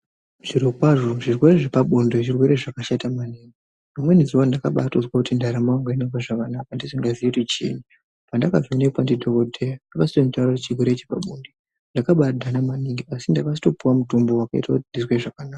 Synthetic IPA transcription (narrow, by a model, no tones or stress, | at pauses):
ʐ̥iɾokwaʐo̞ʐirwe̞ɾe̞ʐepaɓondoʐirwe̞ɾe̞ʐakaʃatamaniːŋɡi | mamwe̞niziwandakaɓa̰tozwakutindaɾamaoŋɡainapaʐakanakandisiŋɡazijeutit͡ʃḭni | pandakavianepandidʱokodʱejandakasi̥tonitaraet͡ʃirweɾet͡ʃepa̰ɓonde | ndakaɓadʱanamaniŋɡiasindakas̬i̥to̞puwamutombo̞wakaḭtakutindizweʐakanaːka